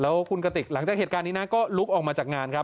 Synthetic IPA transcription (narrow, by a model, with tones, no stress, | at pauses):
lɛː˦˥wkʰu˧nka˧t̪i˨˩k̚la˩˦ŋt͡ɕaː˨˩k̚heː˨˩kaː˧nːiː˦˥na˦˥kɔː˥˩lu˦˥k̚ʔɔː˨˩maː˧t͡ɕaː˨˩k̚ŋaː˧nkʰɾa˦˥p